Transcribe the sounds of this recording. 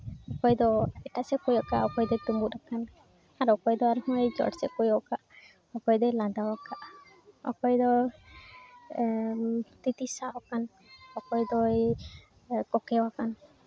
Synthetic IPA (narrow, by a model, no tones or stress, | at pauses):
ɔkɔjd̪ɔɛʈasɛkujɔkaʔɔkɔjd̪ɔt̪umbut̪ɾakan | aɾɔkɔjd̪ɔaɾhɔjd͡ʒɔ̰ɽsɛkujɔkaʔ | ɔkɔjd̪ɔjlãd̪awakaʔ | ɔ̰kɔjd̪ɔ | t̪it̪isaʔɔkan | ɔkɔjd̪ɔj | kɔkɛwakan